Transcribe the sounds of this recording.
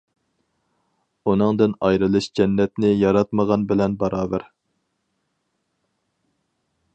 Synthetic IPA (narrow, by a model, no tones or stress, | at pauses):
unɨŋd̪ɨnɑjɾɨlˠɨʃd͡ʒɛnːɛt̪nɪjɑɾɑt̪məʁɑnbɪlɛnbɑɾɑːbæɾ